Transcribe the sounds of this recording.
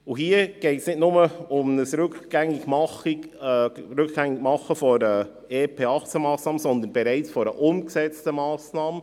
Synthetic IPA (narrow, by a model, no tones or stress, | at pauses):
uɦiːəɡ̥ɛɪtsnɪtnʊməʊmnəsɾʉkɡ̥ɛŋɪɡmɑ | ɾʉkɡ̥ɛŋɪɡmɑχːəfɔɾə | eːpʰeːɑχt͡semɑːsnɑːməsɔnd̪ənb̥ɛɾæɪt͡sfɔɾəʔʊmksɛt͡stəmɑːsnɑːmə